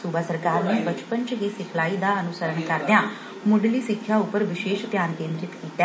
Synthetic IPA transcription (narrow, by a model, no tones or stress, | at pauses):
suːbaːsəɾkaːɾneːbət͡ʃpənt͡ʃɦiːsɪkʰlaːiːd̪aːənʊsəɾəɳkəɾd̪ejãː | mʊɖliːsɪkʰːjaʊpːəɾʋɪʃeːʃt̪jaːnkẽːnd̪ɾɪt̪kiːt̪ːɛː